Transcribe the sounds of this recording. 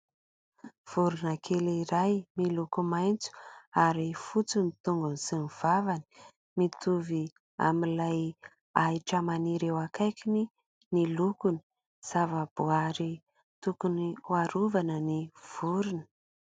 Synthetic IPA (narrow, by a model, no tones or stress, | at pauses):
v̥uɾunakʰeliɾajmilukumajnt͡su̥aɾifut͡sinit̪uŋɡunsiniv̥avani̥ | mit̪uvi | a̰milaj | aiʈ͡ʂəmaniɾewakajkini | nilukuni̥ | z̥avab̥uaɾi | t̪ukuniwaɾuvanəniv̥uɾunə̥